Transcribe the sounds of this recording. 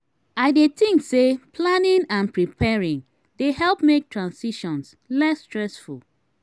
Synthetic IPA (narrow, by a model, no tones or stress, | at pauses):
aɪdetɪ̃ŋksepʰlanɪ̃ŋãnpɹipʰɛɹĩŋ | dehɛlˠpmek̚tʰɹãnsiʃɔ̃ns | lɛsːtɹɛsfṵlˠ